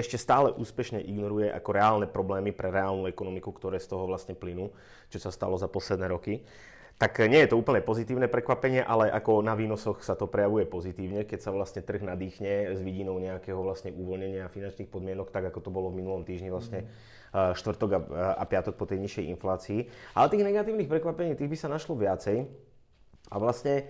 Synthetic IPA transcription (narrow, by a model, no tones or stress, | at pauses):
ɛʃcɛst̪aːlɛʔuːspɛʃɲɛʔiɡnɔɾujɛʔa̰kɔɾɛaːlnɛpɾɔblɛːmipɾɛɾɛaːlnuɛkɔnɔmikukt̪ɔɾɛːst̪ɔɦɔʋlasɲɛplinuː | t͡ʃɔsast̪a̰lɔzapɔslɛd̪nɛːɾɔki | t̪akɲɪɛjɛt̪ɔuːpl̩ɲɛpɔzit̪iːʊnɛpɾɛkʋapɛɲɪɛʔalɛʔa̰kɔnaʋiːnɔsɔxsat̪ɔpɾɛjaʋujɛpɔzit̪iːʊɲɛkɛcsaʋlast̪ɲɛt̪r̩ɣnad̪iːxɲɛzʋiɟinɔʊɲɛakɛːɦɔʋlasɲɛʔuʋɔlɲɛɲɪafinant͡ʃniːxpɔd̪mɪɛnɔkt̪aɡakɔt̪ɔbɔlɔvminulɔmt̪iːʒɲiʋlastɲɛ | ʃt̪ʋr̩t̪ɔɡaa̰pɪat̪ɔk̚pɔt̪ɛjɲiʃɛjḭnflaːt͡siːʔalɛt̪iːɣnɛɡat̪iːʊniːxpɾɛkʋapɛɲiːt̪iːɣbisanaʃlɔʋɪat͡sɛj | aʋlasɲɛ